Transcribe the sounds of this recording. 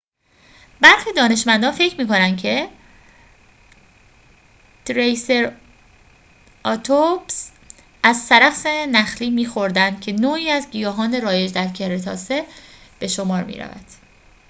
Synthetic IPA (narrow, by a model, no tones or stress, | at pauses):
bæɾxiːd̪ɒːne̞ʃmænd̪ɒːnfe̞cʰmiːko̞nænd̪cʰe̞ | t̪ʰɾejse̞ɾ | ʔɒt̪ʰobs | ʔæzsæɾæfsenæxliːmiːxo̞ɾd̪ænd̪̥cʰe̞noːiːæzɟijɒːɦɒːne̞ɾɒːje̞d͡ʒd̪æɾcʰe̞hɾet̪ʰɒ̰ːseb̥e̞ʃomɒːɾmḭːɾæ̰væ̰d̪̥